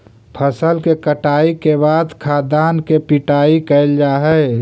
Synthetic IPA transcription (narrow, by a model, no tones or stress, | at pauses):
pʰəsəlkekəʈaːikebaːd̪kʰaːd̪aːnkepiʈaːikəld͡ʒaːɦɛɪ